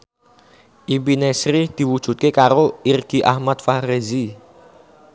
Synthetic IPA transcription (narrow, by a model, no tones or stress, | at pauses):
ʔibinɛsɾid̪̥i̤wu̥ʒ̥ṳt̪̚kekaɾoirɡ̥i̤ʔahmat̪̚fahrezi